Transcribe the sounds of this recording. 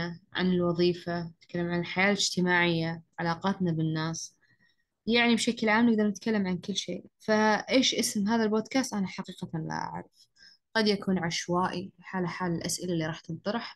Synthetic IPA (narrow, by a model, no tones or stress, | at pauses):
aʕa̰nɪlwɑðˤiːfanɪt̪̚kalːamʕanɪlħajaːlɪd͡ʒt̪ɪmaːʕɪjːaʕalaːqɑːt̪nabɪnːaːs | jaʕnibʃaklʕaːmnɪɡ̚d̪ɑɾˤnɪt̪kalːamʕankɪlːʃḛːʔfaʔeːʃʔɪsmɦaːðalboːd̪kaːst̪ʔanaħaqiːqala̰ʔa̰ʕɾɪf | ɡ̥ɑd̪jakuːnʕaʃwaːʔiħaːlaħaːlɪlʔasʔɪlaʔlːiɾˤɑːħt̪ɪt̪ːˤɑɾˤħ